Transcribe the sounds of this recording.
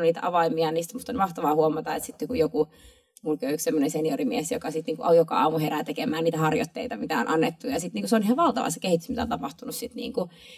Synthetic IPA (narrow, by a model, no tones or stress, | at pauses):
niːt̪æ̰ʔɑʋɑimiɑniːst̪mut̪ːonmɑht̪ɑʋɑːhuomɑt̪ɑḛt̪sit̪ːokujoku | mulkøyksemːonenseniorimiesjokɑsit̪niːŋkuʔojokɑ̰ɑ̰ːmuheɾæt̪ekemæːniːt̪æhɑrjo̰t̪ːḛit̪ɑmit̪æo̰nʔɑnːet̪ːujɑsit̪niːŋkuseoniːhɑʋɑlt̪ɑ̰ʋɑ̰sːe̥kehit̪ːysmit̪æo̰nt̪ɑpɑht̪unussit̪nḭːŋku